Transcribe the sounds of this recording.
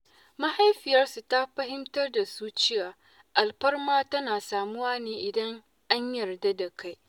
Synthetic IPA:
ma˦ha˦jɸɪ˨jɐ˦rsu˨ta˦ɸɐ˦hɪ˦mtɐ˦rda˨su˦t͡ʃɪ˦jaː˨ | ʔa˨lɸɐ˦rmaː˦tɐ˦naː˨saː˨mʊ˦waː˦neː˦˨ʔɪ˨dɐ˦ŋ | ʔa˦ɲjɐ˨rda˦da˨ka˦j

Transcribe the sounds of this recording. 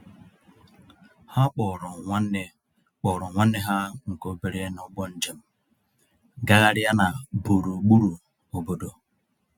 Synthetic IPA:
ha˦k͡pɔ˨ɾɔ˨ŋʷ˦n˦ | k͡pɔ˨ɾɔ˨ŋʷa˦nːe˦ɦa˦ŋ̩˨ko˦be˨ɾe˦nʊ˨˦ɡ͡bɔ˦n̩˦d͡ʒe˨m̩˦ | ɡa˦ɣa˦ɾɪ˦a˦na˨bu˨ɾu˨ɡ͡bu˦ɾu˨ | o˨bo˦do˨

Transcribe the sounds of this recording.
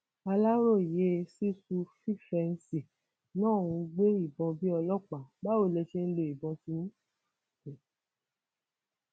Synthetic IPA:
a˧la˦ɾo˦˨je˨˦˧si˦su˧fi˦˨fɛ˧n̩˧˦si˨ | nãː˦˨ũ˧ɡ͡be˦i˦˨bɔ̃˧bi˦ɔ˧lɔ˦˨k͡pa˨ba˦o˦˨lɛ˧ʃe˦n̩˦le˧˨i˨bɔ̃˧si˧nũ˦˨

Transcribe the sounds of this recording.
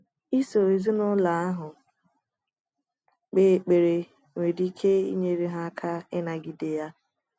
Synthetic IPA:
i˦so˨e˨zi˦nʊ˦la˨a˦ɦʊ˨ | k͡pe˦˨k͡pe˨ɾe˨ | ŋʷe˨di˦kʰe˦ḭ˦ɲe˦ɾe˦ɦa˦kʰa˦ɪ˦na˨ɡi˨de˨ja˦

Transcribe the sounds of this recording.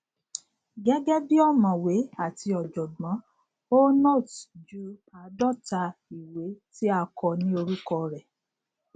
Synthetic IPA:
ɡɛ˦ɡɛ˦bi˦ɔ˦˨mã˨we˨˦a˦˨ti˧ɔ˨d͡ʒɔ˨ɡ͡bã˨˦ | o˦nɔ˦˨td͡ʒu˦a˨dɔ˦˨ta˧i˨we˨˦ti˦a˧kɔ˧nĩ˦o˧ɾu˦kɔ˧ɾɛ˨

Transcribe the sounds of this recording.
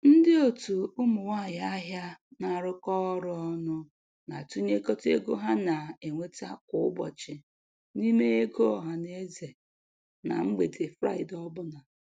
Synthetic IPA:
n̩˦dɪ˦o˨tu˨ʊ˦mʊ˨wa˦˨ja˦ɦja˦na˨ɾʊ˦kɔ˦ɾʊ˦ɔ˦nʊ˦ | na˨tu˦ɲe˦ko˦tḛ˦ɡo˦ɦa˦na˨e˨ŋʷe˦ta˦kʊ˦ʊ˦bɔ̰˨t͡ʃɪ˨ | ni˦me˦e˦ɡo˦ɔ˨ɦa˨ne˦ze˨ | na̰˨ŋ͡m̩˦ɡ͡be˨de˨fɾa̰˦ɪ˨dɔ˦bʊ˦na˨

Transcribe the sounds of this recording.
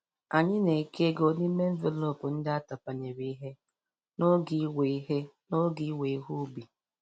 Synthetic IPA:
a˨ɲɪ˦ne˨ke˦ɡo˦ni˦me˦ɱ̩˦ve˨lo˨pʊ˨n̩˦dɪ˦a˦ta˨pa˨ɲe˨ɾi˦i˦ɦe˦ | no˦ɡi˦we˨˦ɦe˦ | no˦ɡi˦we˨i˦ɦu˦bi˨

